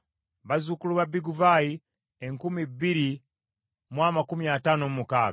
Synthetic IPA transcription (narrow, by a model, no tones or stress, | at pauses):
βazukuluβabiɡuvai | eŋkumibiɾi | mwamakumiatanomumukaː